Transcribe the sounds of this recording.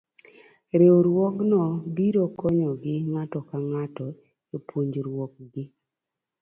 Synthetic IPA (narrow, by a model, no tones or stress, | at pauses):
ɾeoɾwɔknɔbiɾokɔɲɔɡɪŋatɔkaŋatɔ | epʰwoɲd͡ʒɾwɔk̚ɡɪ